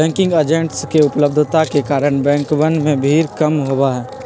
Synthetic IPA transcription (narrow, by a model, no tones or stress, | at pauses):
ɛ̃ːŋkɪ̃ŋɡəd͡ʒẽɳʈskeʊpləb̚d̪ʱt̪akekaːɾəɽ̃bɛ̃ːŋkʋənmẽbʱiːɾkɐmɦowaɦɛː